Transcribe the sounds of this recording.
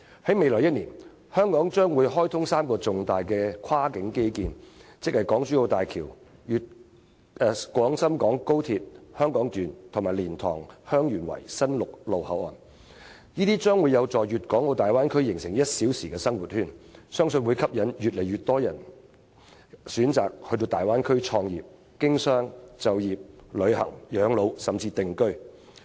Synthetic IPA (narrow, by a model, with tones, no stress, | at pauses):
hɐ˨˥jme˨˧jlɔː˨˩jɐ˥t̚niː˨˩n | hœː˥ŋkɔː˨˥ŋt͡ʃœː˥ŋwuː˨˧jɦɔː˥jt̪ʰʊ˥ŋsaː˥mkɔː˧t͡sʊ˨ŋt̪aː˨jkɛː˧kʰwaː˥kɪ˨˥ŋke˥jkiː˨˧nt͡sɪ˥k̚hɐ˨jkɔː˨˥ŋt͡ʃyː˨˥o˧wt̪aː˨jkʰiː˨˩wjyː˨t̚ː | kwɔː˨˥ŋsɐ˥mkɔː˨˥ŋko˥wt̪ʰiː˧t̚hœː˥ŋkɔː˨˥ŋt̪yː˨nt̪ʰʊ˨˩maː˨˩jliː˨˩nt̪ʰɔ̰ː˨˩ŋhœː˥ŋjyː˨˩nwɐ̰˨˩jsɐ˥nlʊ˨k̚lo˨whɐ˨˥wɔ̰ː˨n | niː˥t̪iː˥t͡ʃœː˥ŋwuː˨˧jɐ˨˧wt͡sɔː˨jyː˨t̚kɔː˨˥ŋlo˧wt̪aː˨jwaː˥nkʰɵ˥ɥjɪ˨˩ŋsɪ˨˩ŋjɐ˥t̚siː˨˥wsiː˨kɛː˧sɐ˥ŋwuː˨˩t̚hyː˥˩nsœː˥ŋsɵ˧nwuː˨˧jkʰɐ˥p̚jɐ˨˥njyː˨t̚le˨˩jɥyː˨˩t̪ɔː˥jɐ˨˩n | syː˨˥nt͡saː˨k̚hɵ˧ɥt̪̬o˧wt̪aː˨jwaː˥nkʰɵ˥ɥt͡ʃʰɔː˧ŋjiː˨p̚ | kɪ˥ŋsœː˥ŋt͡sɐ˨wjiː˨p̚lɵ˨˧ɥhɐ̰˨˩ŋjœː˨˧ŋlo˨˧wsɐ˨mt͡siː˧t̪ɪ˨ŋkɵ˥ɥ